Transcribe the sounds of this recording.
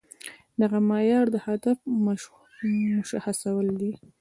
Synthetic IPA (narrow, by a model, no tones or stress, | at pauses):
d̪aɣamɑjɑɾd̪əhad̪afm | mʊʃaxasawəld̪i